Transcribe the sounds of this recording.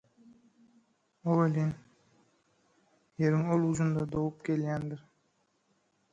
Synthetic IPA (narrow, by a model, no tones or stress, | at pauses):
owelʲin | jeɾɪŋolˠuzund̪ɑd̪owup̚kʲʰelʲɡʲænd̪ɪɾ